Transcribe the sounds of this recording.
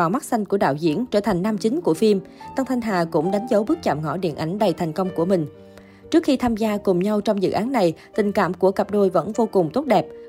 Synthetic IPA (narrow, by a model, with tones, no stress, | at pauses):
aː˨˩wma˦˥t̚sa˧jŋku˧˩əɗa̰ː˧˨wzḭ˧˥ənt͡ɕəː˧˩t̪ʰa˨˩ŋ̟naː˧mt͡ɕï˨˦ŋ̟ku˧˩əfi˧mt̪a˧ŋt̪ʰa˧jŋ̟ɦaː˨˩kʊ̰˧˥ŋ͡mɗa˨˦jŋ̟zə˨˦wɓɨ˦˥k̚t͡ɕa̰ː˧˨mŋɔ̰˧˩ɗḭ˧˨ənʔa˨˦jŋ̟ɗə˨˩jt̪ʰa˨˩ŋ̟kə˧wŋ͡mku˧˩əmï˨˩ŋ̟ | t͡ɕɨ˦˥ək̚xi˧t̪ʰaː˧mzaː˧kʊ˨˩ŋ͡mɲa˧wt͡ɕɔ˧wŋ͡mzɨ̰˧˨ʔaː˨˦nːa˨˩jt̪ï˨˩ŋ̟ka̰ː˧˨mku˧˩əka˨˩p̚ɗo˧˩jvə̰˧˥nvo˧kʊ˨˩ŋ͡mt̪o˦˥t̚ɗɛ˨˩p̚